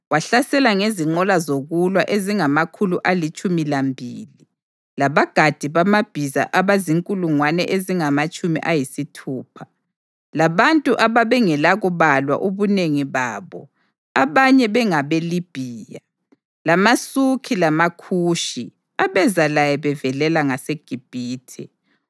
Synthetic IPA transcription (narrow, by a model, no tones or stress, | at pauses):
waɬasɛlaŋeziŋ͡ǃɔlazoɣulwaʔeziŋamakʰuluʔalit͡ʃʼumilambʱḭːli | laβaɡ̥ʱad̥ʱiβamab̥ʱiza̰ʔaβaziŋkʼuluŋwanɛ̰ʔeziŋamat͡ʃʼumḭʔajisitʰuːpʰḁ | laβantʼuʔaβaβɛŋɛlaɣuβalwa̰ʔoβuneŋiβaːβɔ̰ | aβaɲɛβɛŋaβelib̥ʱiːja | lamasukʰilamakʰuːʃḭ | aβɛzalajɛβɛvɛlɛlaŋaseɡ̥ʱib̥ʱiːtʰɛ̰